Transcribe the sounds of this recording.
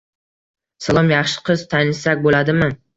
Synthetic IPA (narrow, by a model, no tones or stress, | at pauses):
sɑlˠɒmjɑχʃɪ̥qʰɨz̥t̪ʰænɪsɛk̚ʲbolˠæd̪ɪmɪ